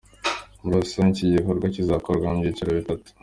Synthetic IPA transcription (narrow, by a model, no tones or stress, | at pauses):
ɾasaniciɟikoɾɡwacizakoɾɡwamɟiciɾaβitatu̥